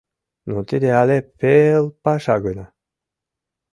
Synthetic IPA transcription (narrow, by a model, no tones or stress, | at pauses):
nut̪id̪ealepelˠpaʃaɡɯna